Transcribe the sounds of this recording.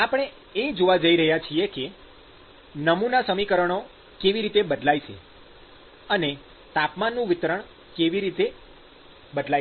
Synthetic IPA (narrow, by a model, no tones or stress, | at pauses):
apəɽ̃e | ed͡ʒoʋad͡ʒəiɾəɦjat͡ʃʰieke | nəmunasəmikəɾəɳ̃o | keʋiɾit̪ebəd̪lajʃʰḛ | əne | t̪apmanːũʋɪt̪ɾəɳ | keʋiɾit̪e | bəd̪la